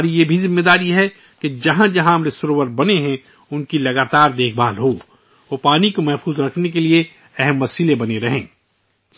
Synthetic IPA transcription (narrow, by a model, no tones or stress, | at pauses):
ɾijebʱizɪmːed̪aːɾiɦɛ | ked͡ʒɐɦãd͡ʒɐɦãɐmɾesʊɾoːʋəɾbɐneɦɛ̃ | ʊnkilɐɡaːt̪aːɾd̪eːkʰbaːlɦoː | opaːnikomɛɦfuːzɾɐkʰnekelie | ɛɦɛmʋɐsiːlebɐneɾɐɦẽː